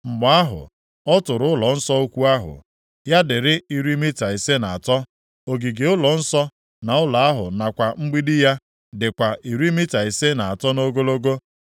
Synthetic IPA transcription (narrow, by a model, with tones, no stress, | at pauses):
ŋ͡m̩˨ɡ͡ba˨˦a˦ɦʊ̰˨ | ɔ˦tʊ˨ɾʊ˨˦ʊ˦lɔ˨n̩˦sɔ˦o˦kʷu˦a˦ɦʊ̰˨ | ja˦dɪ˨ɾɪ˦i˨ɾi˦mi˦ta˨i˨se˦na˨a˨tɔ˦ | o˨ɡi˨ɡe˨ʊ˦lɔ˨n̩˦sɔ˦ | na˨ʊ˦la˨a˦ɦʊ̰˨na˨kʷa˨ŋ͡m̩˦ɡ͡bi˦dɪ˦ja˦ | dɪ˨kʷa˨ʔi˨ɾi˦mi˦ta˨i˨se˦na˨a˨tɔ˦no˦ɡo˦lo˦ɡo˦